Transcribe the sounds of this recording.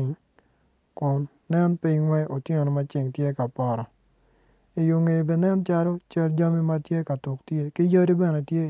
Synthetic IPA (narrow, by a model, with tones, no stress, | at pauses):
ŋ | kʊ˨nːɛ˦npi˦ŋwɛ˦ʔo˨tje˦ŋo˨nɔ˨ma˦t͡ʃɪ˨ŋtje˦ka˨pɔ˨ɾɔ˨ | i˨jo˨ŋe˨be˨nɛ˦nt͡ʃa˦ɾo˦t͡ʃɐ˦ld͡ʒa˦mi˦ma˦tje˦ka˨tʊ˨ktje˦kɪ˦jo˦ɾi˦bɛ˨ne˨tje˦